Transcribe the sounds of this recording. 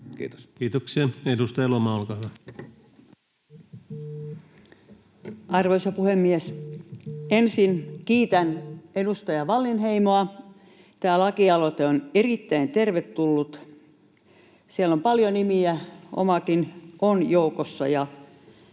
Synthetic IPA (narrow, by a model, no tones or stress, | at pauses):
t̪kiːt̪oksiɑedust̪ɑjɑlomɑolkɑˑːhyʋæ | ɑrʋoisɑpuhemːies | ensinkiːt̪ænedust̪ɑjɑʋɑlːinheimoɑ | t̪æːlɑkiɑlot̪eonerit̪ːæint̪erʋet̪tulːut̪ | sielːompɑljonimiæo̰mɑkinʔonjoukosːɑ̰jɑ